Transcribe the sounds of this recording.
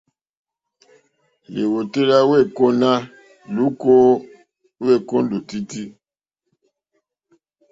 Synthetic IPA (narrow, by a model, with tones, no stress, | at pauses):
le˨wo˨te˦ɾa˦we˦˨ko˦na˦ | lu˦ko˦ | we˦˨kõ˦n˦do˨ti˦ti˦